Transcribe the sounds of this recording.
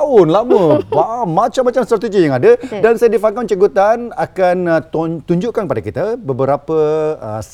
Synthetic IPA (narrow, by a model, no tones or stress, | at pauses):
ʊnlaməwamat͡ʃamːat͡ʃamst̪ɾat̪id͡ʒijaŋadadansajadifakant͡ʃəɡut̪anakant̪uɲd͡ʒuʔkankəpadakit̪abəbəɾapəə̰